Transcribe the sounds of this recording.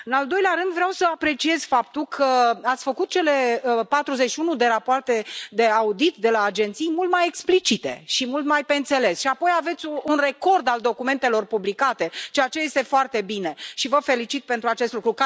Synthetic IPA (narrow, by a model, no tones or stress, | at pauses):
ɨnald̪o̞jleaɾɨnd̪vɾeawsəapɾe̞t͡ʃie̞z̥fapt̪ulkʰəat̪sʲfəkut̪̚t͡ʃe̞le̞pat̪ɾuzet͡ʃʃiunud̪e̞ɾapoart̪e̞d̪e̞aud̪it̪d̪e̞laːd͡ʒent̪sijmult̪maje̞ksplit͡ʃit̪e̞ʃimult̪majpe̞ɨnt̪se̞le̞sʃiapo̞jave̞t̪sʲunre̞ko̞rd̪ald̪o̞kume̞nt̪e̞lo̞rpublikat̪e̞t͡ʃeat͡ʃe̞je̞st̪e̞foart̪e̞bine̞ʃivəfe̞lit͡ʃit̪̚pe̞nt̪ɾuat͡ʃe̞st̪lukɾuk